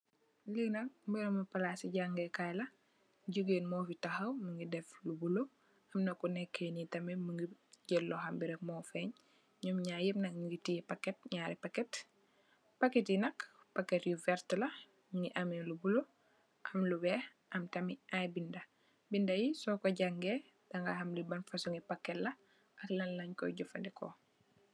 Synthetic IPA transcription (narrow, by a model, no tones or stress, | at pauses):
liɡnɐk̚mbiɾɐmupɐlasiɟaŋɡɛkajlɐ | ɟuɡeːnmɔfitɐxɐwməŋɡidɛflubulo | ɐmnɐkunɛkʰːenitɐmimuŋɡiɟɛlːɔhɐmbiɾɛkmɔfɛɲ | ɲumɲaːjipnɐkŋɡitipɐkːɛt̚ɲaːɾipakːɛt | paketjinɐk | pakːɛtjuvɛɾtlɐ | mŋɡiʔɐmɛlubulo | ʔɐmlubɛh | ʔɐmtɐmiʔajbindɐ | bindɐjisɔkɔɟaŋɡe | d̥ɐŋɡa̰hɐmlibɐnfɐsuŋipakːɛtlɐ | ʔɐklɐnlɐɲkɔ̰ɟɔfɐndɛkɔ̰